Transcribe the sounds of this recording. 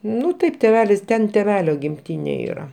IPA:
ˈnʊ ˈtɐɪp tʲeːˈʋʲæːlʲɪs ˈtʲɛn tʲeːˈʋʲæːlʲoː ɡʲɪmʲˈtʲiːnʲeː ˈiːrɐ

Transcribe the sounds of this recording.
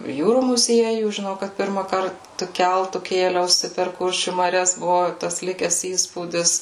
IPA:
ˈjuːruː mʊˈzʲiɛjuː ʒʲɪˈnɐʊ kɐt ˈpʲɪrmɑːkɐrt tʊ ˈkʲɛlˠtʊ ˈkʲeːlʲɛʊsʲɪ pʲɛr ˈkʊrʲʃʲuː mɐˈrʲɛs ˈbʊʋʊ tɐs ˈlʲɪkʲɛs ˈiːspuːdʲɪs

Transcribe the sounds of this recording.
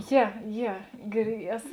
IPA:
ˈjɛ ˈjɛ ɡʲɪr ˈæːsoː

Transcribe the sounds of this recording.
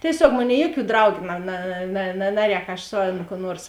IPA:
tʲiɛˈsʲoːk ˈmoːˌnʲeːɪ ˈjuɔˌkʲuː ˈdrɐʊɡʲʊ nɐ nɐ nɐ ˈnɑːˌrʲɛːk ɐʃ ˈsʊ ˌɐn kuː ˈnuɔrs

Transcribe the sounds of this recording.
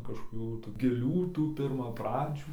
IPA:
kɐʃkoːˈkʲuː tuː ɡʲɪˈlʲuː ˈtuː pʲɪrmɐˈprɑːd͡ʒʲuː

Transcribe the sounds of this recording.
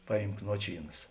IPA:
ˈpɑːˌjiːmk ˈnuɔt͡ʃʲiːˌnɐs

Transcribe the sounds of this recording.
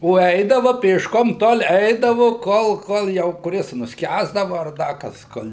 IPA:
oː ˈɛɪdɐʋɐ pʲeːʃˈkoːm toːlˠ ˈɛɪdɐʋʊ ˈkoːlˠ ˈkoːlˠ jɛʊ kʊˈrʲɪs nʊsʲˈkʲæːzdɐʋɐ ɐr ˈdɐ kɐs ˈkoːlʲ

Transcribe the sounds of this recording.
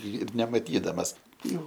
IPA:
ɪr nʲɛmɐˈtʲiːdɐmɐs ˈjɛʊ

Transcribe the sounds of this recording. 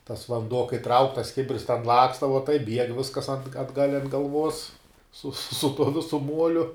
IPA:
tɐs ʋɐnˈduɔ kɐɪ trɐʊk tɐs ˈkʲɪbʲɪrs tʲɛn ˈlˠɑːkstɐ ʋɐ tɐɪp bʲiɛk ˈʋʲɪskɐs ɐn ɐdˈɡɐlʲ ɐnt ɡɐlˠˈʋuɔs sʊ sʊ tuɔ ˈʋʲɪsʊ ˈmuɔlʲʊ

